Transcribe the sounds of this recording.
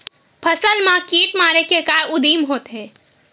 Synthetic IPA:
pʰɐsəlmãkiːʈmaːɾekekaːʊd̪iːmɦoːt̪ɦɛ̃ː

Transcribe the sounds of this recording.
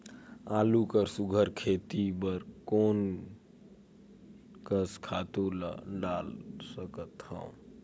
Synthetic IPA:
aːlukəɾsuɡʱəɾkʰeːt̪ibəɾkoːn | kəskʰaːt̪ulɖaːlsəkət̪hə̰̃

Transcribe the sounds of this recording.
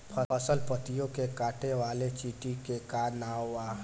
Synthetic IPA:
pʰəəsəlpət̪ijõkekaːʈʰeʋaːlet͡ʃiːʈikekaːɾnaːaː

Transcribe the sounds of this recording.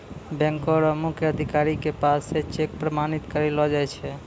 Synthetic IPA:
bɛ̃ŋkɔɾɔmukʰjəəd̪ʱikaɾikepaset͡ʃek̚pɾəmanit̪kəɾelɔd͡ʒajt͡ʃʰɛ

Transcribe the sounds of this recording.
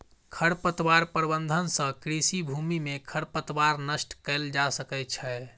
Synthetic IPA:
kʰəɽpət̪waɾpəɾbənd̪ʱənsə̃kɾisibʱumimekʰəɽpət̪waɾnəsʈkɛld͡ʒasəkɛt̪t͡ʃʰɛ

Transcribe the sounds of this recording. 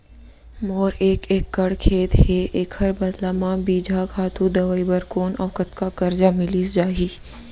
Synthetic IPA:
moːɾeːkeːkːɐɽkʰeːd̪heʔeːkhɐɾbɐd̪laːmãbiːd͡ʒʱakʰaːt̪ud̪ɐʋaːibɐɾkoːnɐʋkət̪kakɐɾd͡ʒamɪliːsd͡ʒaːɦiː

